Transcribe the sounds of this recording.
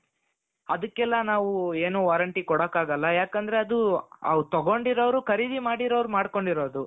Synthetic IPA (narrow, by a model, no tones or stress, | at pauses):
ɐd̪ɐkːɛlːɐnaːʋueːnuʋaːɾɐɳʈikɔɽɐkːaːɡɐlːɐjaːkɐnd̪ɐɾeɐd̪uɐ̰ʋt̪ɐɡo̞ɳɖiɾoʋɐɾukʰɐɾid̪imaːɽiɾɐʋɾumaːɽko̞ɳɖiɾo̞ːd̪u